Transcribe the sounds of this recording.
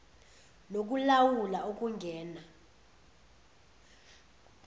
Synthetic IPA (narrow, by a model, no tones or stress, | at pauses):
nok̬ʼulawulaok̬ʼuŋɡʱɛːna